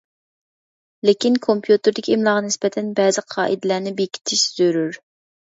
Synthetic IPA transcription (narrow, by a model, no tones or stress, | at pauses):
lɪkʲinkʰompʰjut̪ɨɾd̪ɪkʲʰiimlˠɑʁnɪspɛt̪ʰɛnbɛzɪqʰɑːʔid̪ɪlæɾnɪbekʲʰi̥t̪ʰɪʃz̥øɾyɾ